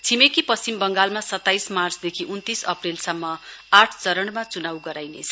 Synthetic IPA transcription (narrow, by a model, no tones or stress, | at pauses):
t͡sʰimekipʌst͡simbʌŋɡalmasʌt̪ːajsmart͡sd̪ekʰiʔunt̪isʌprelsʌmːʌaʈʰt͡sʌɾʌɳmat͡sunawɡʌɾajnḛt͡sʰʌ